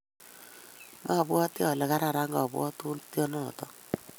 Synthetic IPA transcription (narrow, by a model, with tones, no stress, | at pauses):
mʔa˦˨bwɔ˦tjɔ˨lɛ˨ka˦ɾa˨ɾa˦ŋɡa̰˨bwɔ̰˦tu˦tjɔ˦nɔ̰˦˨tɔ˦